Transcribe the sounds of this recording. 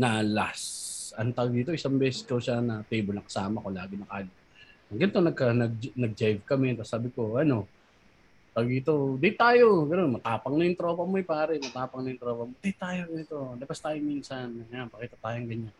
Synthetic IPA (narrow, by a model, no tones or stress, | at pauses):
nalasʔɐnt̪aɡd̪iːt̪o̞ʔɪsaŋbɛːsɛskɐwʃanɐt̪ejbolnɐŋkɐ̥saːmɐkolaːɡɪnɐkaːjo | ɐŋɡɐnt̪onɐɡ̚kɐnɐɡ̚d͡ʒnɐɡ̚d͡ʒajvkɐmɛt̪ɐsaːbɪko̞ʔɐno̞ | p̪ɐɡɪt̪o̞d̪ɪɪt̪ːaːjo̞ɡɐnonmɐt̪aːpɐŋnɐjʊŋt̪ɾoːpɐmoɛpaːɾɛmɐt̪aːpɐŋnɐjʊŋt̪ɾoːpɐmod̪ɪht̪ːaːjoɡɐnɪt̪o̞lɐpɐst̪aːjoŋminsɐnŋjanpɐkiːt̪ɐt̪aːjoŋɡɐɲːan